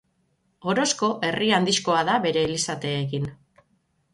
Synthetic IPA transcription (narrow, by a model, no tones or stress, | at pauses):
o̞ɾo̞sko̞ʔe̞riand̪iʃko̞aðaβe̞ɾe̞ːlisat̪e̞ːkin